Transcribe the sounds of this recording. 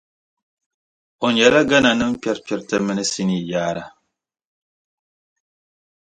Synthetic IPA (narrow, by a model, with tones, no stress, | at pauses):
o˨ɲɛ˨la˦ɡa˦na˨nɨ˦m̩˦pjɛ˦ɾpʲɛ˨ɾtɛ˦mɨ˦nɨ˦si˦ni˨jaː˦ɾa˦˨